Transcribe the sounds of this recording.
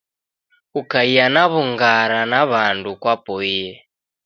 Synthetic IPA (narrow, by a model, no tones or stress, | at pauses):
kukaijanaβuŋɡaɾanaβandukwapɔiɛ